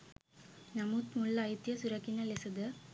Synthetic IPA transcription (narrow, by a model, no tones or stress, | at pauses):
nɐmut̪mulɐjt̪jɐsʊɾɐkːɪnɐlɛsɐd̪ɐ